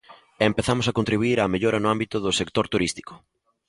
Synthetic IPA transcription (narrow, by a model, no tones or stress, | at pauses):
empeθamʊsakont̪ɾiβuiɾameʎoɾɐnʊambit̪ʊðʊsekt̪oɾt̪uɾist̪i̥kʊ̥